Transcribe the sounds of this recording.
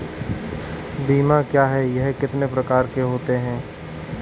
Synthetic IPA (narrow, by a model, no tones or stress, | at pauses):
biːmãkjaːɦɛjɐɦkɪt̪nepɾɐkaːɾkeɦoːt̪eɦɛ̃ː